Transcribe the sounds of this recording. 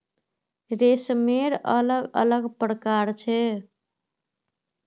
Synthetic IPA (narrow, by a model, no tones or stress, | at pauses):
ɾesmeɾələɡə̰ləɡpɾəkaɾt͡ʃʰɛ